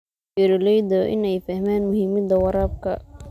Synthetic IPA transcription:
ɛɾɪlɛjd̪ɔʔɪ̰nɛjfɐhmaːnmʊhiːmɐd̪ɐwɐɾaːb̚kʰɐ̰

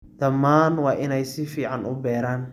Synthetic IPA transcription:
d̪̥ɐmːaːnwɑːʔɪnɛjsɪfiːʕɑnʊbɛːɾaːn

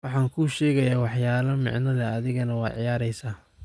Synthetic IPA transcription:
wɑħɑːŋkʰuːʃɛːɣɐjaːwɑħjaːlɐmɪ̰ʕnɐðɛɐðɪɣɐnɐwɑːd̪ʕɪjaːɾɛjsaː

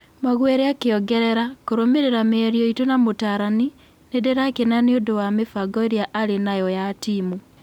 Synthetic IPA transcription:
maɣwɛɾeakeɔɡɛɾɛɾakoɾomeɾeɾameɛɾiɔitonamotaɾani | nedeɾakenaneodowamefaɡɔeɾeaʔaɾenajɔjatiːmu

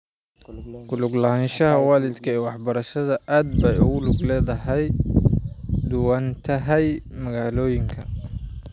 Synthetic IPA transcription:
ɡʊlʊɡlɐɦaːnʃɐɦɐwɑːlɪd̪kʰɐɛːwɑħbɐɾɐʃɐðɐʔaːd̪̚bɛjʊɣʊlʊɡlɛːðɐhɛj | d̪ʊwant̪ʰɐɦɛjmɐɣaːlɔːjɪŋkʰɐ

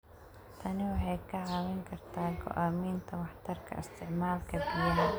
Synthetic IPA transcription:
t̪ʰɐnɪwɑħɑjkʰɐʕɑːwɛŋkʰɐrt̪ʰaːŋɡʰɔ̰ʔaːmiːnt̪ʰɐwɑħt̪ʰɐrkʰɐ̰ɪst̪ʰɪʕmaːlkʰɐdɪjɐɦ

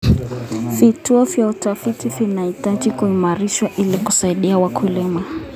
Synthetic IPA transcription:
vituɔvjautafitivinaitaʄikuimaɾiʃwaʔiliku̥saiɗiawakʰulima

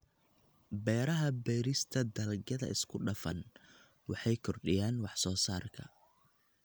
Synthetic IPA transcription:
bɛːɾɐɦɐbɛːɾɪst̪ʰɐd̪ɐlɡɐðɐ̰ɪskʰʊɖɐfɐ̰n | wɑħɑjkʰɔrɖɪjaːnwɑħsɔːsaːrkʰɐ

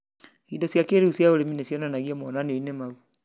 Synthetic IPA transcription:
idɔsjakeɾiusiaoɾeminesjɔnanaɣiamɔnaniɔinɛmau

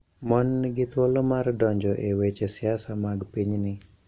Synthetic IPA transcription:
mɔnɡɪt̪wolomardɔɲd͡ʒɔʔewet͡ʃesɪasamaɡpiɲnɪ

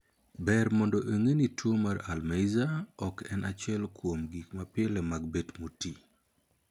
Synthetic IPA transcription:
bɛrmɔndɔʔeŋenitwomaɾalmejzaɔkɛnʔat͡ʃɛlkwomɡikmapɛlɛmaɡ̚betmoti

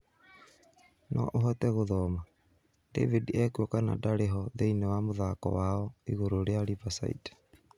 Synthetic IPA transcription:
nʔɔ̰ʔoɦɔtɛɣoðɔma | dḛvidiɛkuɔkana̰daɾeɦɔðeinɛwamoðakɔ̰waɔiɣoɾoɾeaɾivasa̰ḭdɛ̥

